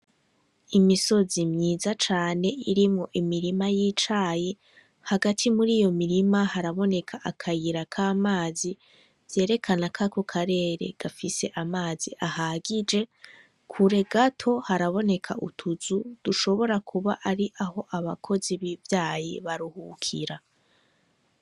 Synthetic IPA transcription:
imiso̞zimɲiːzat͡ʃaːne̞iɾimŋo̞ʔimiɾimajiːt͡ʃaːje | haɡatʰimuɾiːjo̞miɾimahaɾaβo̞ne̞kʰaʔakʰajiɾakʰaːmaːzi | z̥je̞ːɾe̞kʰanakʰako̞kʰaɾe̞ːɾe̞̰ɡ̥afise̞ʔamaːz̥iʔahaɡid͡ʒe̞ | kʰuɾe̞ɡatʰo̞haɾaβo̞ne̞kʰaʔṵtʰuzud̥uʃo̞βo̞ɾakʰuβa̰ʔaɾiʔaho̞ʔaβakʰo̞ziβivjaːjiβaɾuhukʰiɾa

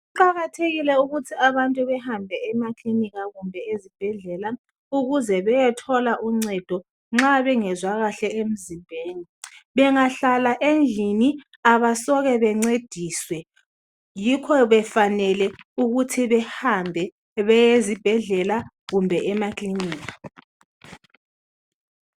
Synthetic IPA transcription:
uǃaɣatʰeɣilɛuɣutʰiaβantʼuβɛhambʱɛɛmakʼliniɣaɣumbʱɛezib̥ʱɛɮɛla | uɣuzɛβɛjɛtʰɔlaʔuŋ͡ǀɛd̥ʱɔ | ŋ͡ǁaβɛŋɛzwaɣaɬɛʔem̩zimbʱeːniβɛŋaɬalaʔend͡ɮʱini | aβasɔɣɛβɛŋ͡ǀed̥ʱiswɛ | jikʰɔβɛfanɛlɛuɣutʰiβɛhambʱɛ | βɛjezib̥ʱɛɮɛla | ɣumbʱɛʔɛmakʼliniːka

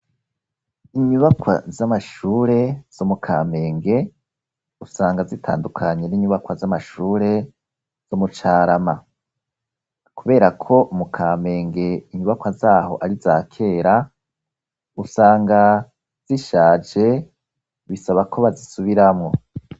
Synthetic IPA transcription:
iɲuβakwa̰zamaʃuːɾe̞z̥omukʰaːme̞ːŋɡe̞ | usaːŋɡazitʰa̰ːndukʰaɲe̞niɲuβakwazamaʃuːɾe̞ | z̥omut͡ʃaːɾama | kuβe̞ːɾakʰo̞ʔumukʰaːme̞ːŋɡe̞iɲuβakwazaːho̞̰ʔaɾizaːkʰe̞ːɾa | usaːŋɡa | z̥iʃaːd͡ʒe̞ | βisaβakʰo̞βazisuβiɾamŋo̞

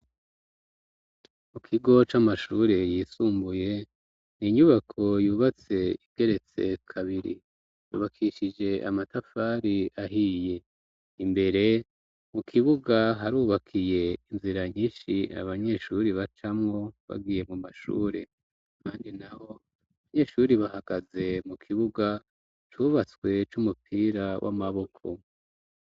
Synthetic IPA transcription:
mukʰiɡo̞t͡ʃamaʃuːɾe̞jiːsuːmbuje̞ | niɲuβakʰo̞juːβat͡se̞iβɡe̞ɾe̞t͡se̞̰kʰaβiɾḭ | jṵːβakʰiʃid͡ʒe̞a̰matafaːɾiaɦije̞ | imbe̞ɾe̞ | mukʰiβuɡaɦaɾuːβakʰije̞inziɾaɲiːʃia̰βaɲe̞ʃuɾiβat͡ʃamŋo̞βa̰ɡiːje̞mumaʃṵːɾe | kʰaːndinaho̞ | aβaɲe̞ʃuɾiβahaɡ̥aze̞mukʰiβuɡa | t͡ʃuβat͡swe̞t͡ʃumupʰiːɾawʔa̰maβo̞kʰo̞̰

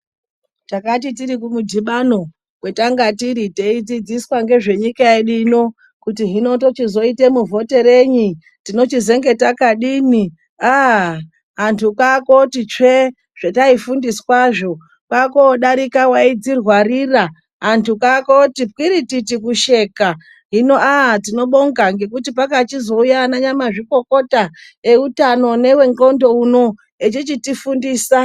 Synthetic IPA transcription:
takat̬itiɾikumudʱiɓano̞ | kwe̞taŋɡatiɾiteid͡zid͡ziswaŋɡe̞ʐe̞ɲikaeɗino̞ | kutiɦino̞to̞t͡ʃizo̞ite̞muvo̞te̞ɾeɲi | tino̞t͡ʃize̞ŋɡe̞takaɗini | a | ɦantʰukako̞tit͡ʂe | ʐ̥etaifundiswaʐo̞ | kwakoɗaɾikawaid͡zirwarira | ɦantʰukakotip̚kiɾititikuʃe̞ka | ɦino̞atino̞ɓo̞ŋɡaŋɡe̞kutipakat͡ʃizo̞ujaːnaɲamaʐiko̞ko̞ta | e̞utano̞ne̞we̞ŋɡo̞ndo̞uno̞ | et͡ʃit͡ʃitifundiːsa

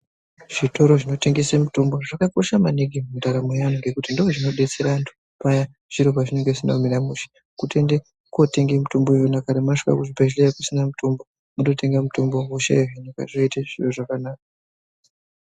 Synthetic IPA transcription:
ʐ̥ito̞ɾo̞ʐino̞te̞ŋɡe̞semutombo̞ʐakakorisamaneɡimundaɾamojanoŋɡe̞kutindooʐino̞ɗe̞t͡se̞ɾaantʰu̥ | paja | ʐ̥iɾopaʐine̞ŋɡeisina̰miɾamuʃe̥ | kute̞nde | kote̞ŋɡemutombojonakaɾamaʂi̥ka̰kuʐipaʒlejakusinamutombo | muto̞te̞ŋɡamutombo̞muʃḛɦinika̰ʐoitaʐiroʐakanaːka

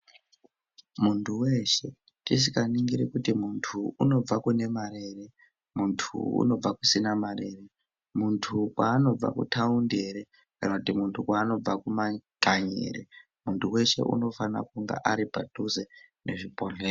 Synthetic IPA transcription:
muntʰuwe̞ʃe̞ | tis̬ikaniŋɡiɾikutimuntʰuuno̞b͡vakune̞maɾe̞ːre | muntʰṵṵno̞b͡vakusinamarere | muntʰukwaːno̞b͡va̰kṵtʰaunde̞ɾe | kanakutimuntʰukwaːno̞b͡vakumaɡ̥ʱaɲḛɾḛ | muntʰuwe̞ʃe̞̰ʔṵno̞fana̰kuŋɡa̰ʔaɾipatuzene̞ʐipo̞ɮeːro

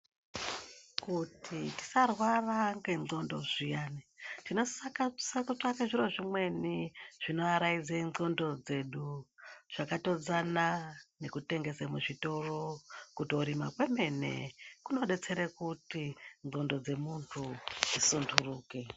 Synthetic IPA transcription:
kutʰiti̥sarwaraŋɡe̞ŋ͡ǀo̞ndo̞̰ʐijaːnitino̞sakasekut͡ʂakeʐiɾo̞ʐimwe̞niʐ̥ino̞aɾaid͡zeno̞ndo̞d͡ze̞ɗuʐ̥akato̞d͡zanane̞kute̞ŋɡe̞semuʐito̞ro̞kutiuɾima̰kwe̞me̞ne̞̰kuno̞ɗe̞t͡se̞ɾekutinzo̞ndo̞d͡ze̞muntʰud͡zisundʰuruːke

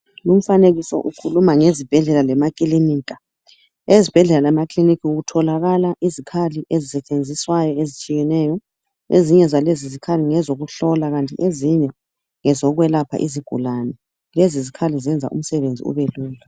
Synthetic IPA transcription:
lum̩faneɣisɔ̰ʔukʰulumaŋezib̥ʱɛɮɛlalɛmakʼilimiːkʼa | ezib̥ʱɛɮɛlalɛmakʰʼlinikʰiuɣutʰɔlaɣalaʔizikʰaliʔezisɛt͡ʃʼend͡zʱiswajɔezit͡ʃʼijɛnɛːjɔ | eziɲɛzalezizikʰaliŋɛzoɣuɬɔlaɣantʼḭʔeziɲɛ | ŋɛzɔɣwɛlapʰa̰ʔiziɡ̥ʱṵlanɛ | lezizikʰalizɛnd͡zʱa̰ʔṵm̩sɛβend͡zʱḭṵβeluːla

